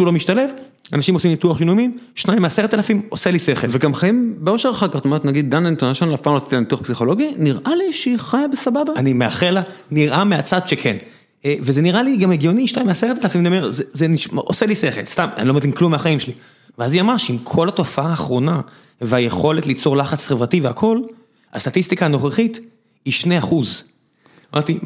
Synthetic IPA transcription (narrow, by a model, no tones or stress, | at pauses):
ulomiʃt̪ale̞v | a̰naʃimo̞simnit̪uaχjinumimʃnaĩmeaseʁet̪alafimo̞selise̞χelveɡamχaimbeo̞ʃeʁχakaʁtome̞et̪naɡid̪̚dːanent̪onaʃanlafpaːmʁat̪et̪ilanit̪uaχpsiχo̞lo̞ɡiniʁʔaliʃeχajabesababaanimeaχelaniʁʔameat͡sad̪ʃekʰen | evezeniʁaliɡameɡjo̞niʃtajmeaseʁet̪klafimniomeʁzezeniʃʔoseliseχelst̪am̰nilo̞mevinklumeaχaimʃeli | veaziamaʁʃeimkʰo̞lato̞faaːχʁo̞na | veaje̞χo̞letlit͡so̞ʁlaχat͡sχevʁativeakʰo̞l | ast̪atist̪ikaːno̞χeχit̪ | iʃne̞jaχuz | amʔaʁt̪i